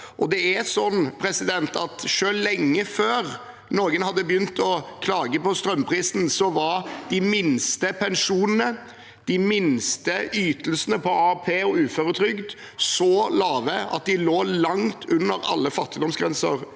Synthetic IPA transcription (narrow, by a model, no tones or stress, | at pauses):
ʔɔd̪ɛæsɔnːpʰɾɛsɪd̪ɛnt̪ʰɑt̪ʂøːllɛŋːəføːɾ | noːɡənhɑd̪ːəbəjʏnt̪ʰɔkʰlɑːɡəpʰɔst̪ɾœmpʰɾiːsn̩sɔʋɑɾd̪̥ɪmɪnst̪əpʰɛnʂuːnənə | d̪̥ɪmɪnst̪əyːt̪əlsənəpʰɔɑpʰeːɔʉːfœɾət̪ʰɾʏɡd̪ | sɔlɑːʋəɑ̰t̪̚d̪ɪloːlɑŋt̪ʰʉnːəɾɑ̰lːəfɑt̪ːɪd̪ɔmsɡɾɛnsə̰ɾ